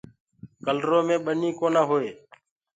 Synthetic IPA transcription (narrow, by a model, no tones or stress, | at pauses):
kəlɾoːmẽːɓəniːkoːnãːɦoːeː